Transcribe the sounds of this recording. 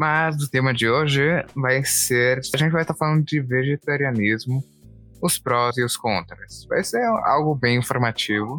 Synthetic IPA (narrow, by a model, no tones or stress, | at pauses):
mɐzd̪ʊt̪ẽmɐd͡ʒɪoʒɪvajseɾaʒẽnt͡ʃɪvajst̪afalɐ̃nd̪ʊd͡ʒɪveʒet̪aɾiɐnizmʊ | ʊspɾɔziʊskõnt̪ɾɐsva̰jseɾa̰wɡʊbẽj̃ĩfoɾmat͡ʃivʊ